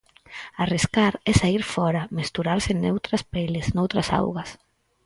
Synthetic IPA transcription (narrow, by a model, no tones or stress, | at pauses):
ariskaɾɛsaiɾfɔɾamest̪uɾaɾsɪnewt̪ɾaspelɪsnowt̪ɾasa̰wɣas